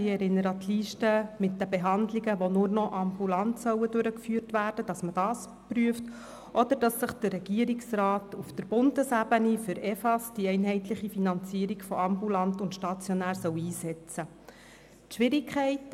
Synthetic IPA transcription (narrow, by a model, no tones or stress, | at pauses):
ɪɛɾɪnːəɾət̪ʰliːʃtəmɪt̚dəbeɦɑndliɡəʋonʊrnɔʔɑmbulɑntsœwədʉɾəkfyːrtʋæːrd̥əd̥ɑsməd̥ɑːs | pryəft | ʔɔd̥̪əɾd̥ɑsːəχd̥ərːɛɡ̥iəɾiksrɑːtufd̥əɾb̥ʊndəsæbənifʏɾɛfɑsd̥iɛɪnɦɛɪtlɪχifinɑnt͡siːəɾiɡfɔɑmbulɑntʊntʃtɑt͡sjɔnæːɾsœwiːsɛt͡sə | tʃʋɪɾɪkʰχɛɪt